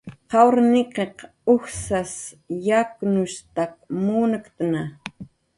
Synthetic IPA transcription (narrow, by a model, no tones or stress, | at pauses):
qɑwɾnɪqeq | ʊxsas | jaknʊʃt̪ak̚muːnəkt̪əna